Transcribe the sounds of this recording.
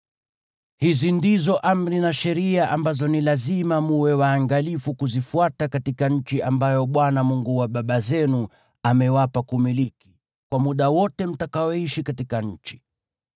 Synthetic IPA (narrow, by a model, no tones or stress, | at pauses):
hizindizɔʔam̩ɾinaʃɛɾiaʔambazɔnilazimamuwɛwaːŋɡalifukuzifuatakatikaɲ̩t͡ʃiʔambajɔɓwanamuŋɡuwaɓaɓazɛnu | amɛwapakumiliki̥ | kwamuɗawɔtɛm̩takaɔiʃikatikaɲ̩t͡ʃi̥